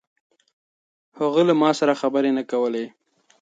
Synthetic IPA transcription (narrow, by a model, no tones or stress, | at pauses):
haɣulamɑsaɾaxabəɾenakawəle